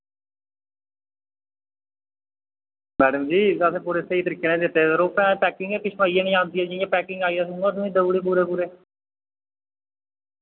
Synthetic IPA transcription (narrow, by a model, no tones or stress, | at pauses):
mɛːɖəmd͡ʒiːəseːpuːɾeːsəiːt̪əɾiːkeːnẽːd̪ɪt̪ːeːsəɾoːpɛ̃ːpɛːkɪ̃ŋɡeːpɪt͡ʃʰmaːiãːnẽĩãːnd̪iːɛːd͡ʒɪãːpɛːkɪ̃ŋɡaːiːasũəd̪ũːĩːd̪əbuːɽeːbuːɾeːbuːɾeː